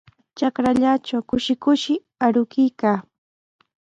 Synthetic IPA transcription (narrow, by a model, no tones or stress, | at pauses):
t͡ʃakɾaʎat͡ʃawkʊʃɪkʊʃɪ | aɾʊkɪjkaː